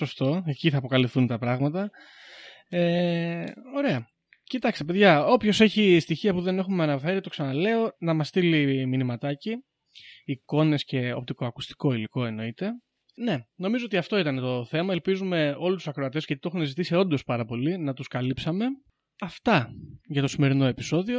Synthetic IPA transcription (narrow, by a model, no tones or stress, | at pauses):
so̞st̪o̞eciθɐːpo̞kɐlifθunt̪ɐpɾɐɣmɐt̪ɐ | e | o̞ɾe̞ɐ | cit̪ɐkst̪epe̞ðʝɐo̞pço̞se̞çist̪içiɐpuðe̞ne̞xumeɐnɐfe̞ɾit̪o̞ksɐnɐle̞o̞nɐmɐst̪iliminimɐt̪ɐciː | ko̞ne̞sce̞o̞pt̪et̪o̞ɐku̥st̪i̥ko̞iliko̞e̞no̞it̪e̞ | ne̞no̞mizoot̪iɐft̪o̞it̪ɐnet̪o̞θe̞mɐelpizume̞o̞lususɐkɾoɐt̪e̞sɣʝɐt̪it̪o̞xunezit̪isio̞nd̪o̞spɐɾɐpo̞linɐt̪uskɐlipsɐme̞ | ɐft̪ɐʝɐt̪o̞sime̞ɾino̞e̞piso̞ðio̞